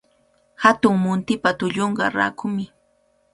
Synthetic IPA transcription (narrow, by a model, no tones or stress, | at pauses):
hat̪ʊŋmʊnt̪ɪpat̪ʊʎoɴɢɑ̰ɾa̰ːkʰʊmɪ